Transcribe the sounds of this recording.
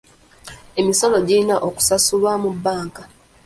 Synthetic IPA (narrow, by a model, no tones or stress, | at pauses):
e̞miso̞lo̞ɟiinaʔoku̥sasulwamubːaːŋka